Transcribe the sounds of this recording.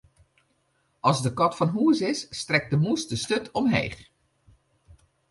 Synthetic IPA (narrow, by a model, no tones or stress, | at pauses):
ɑlˠzdəkɔtfɑnɦuəzɪsːtrɛk̚dəmusdəstøtʰɔmɦḛːχ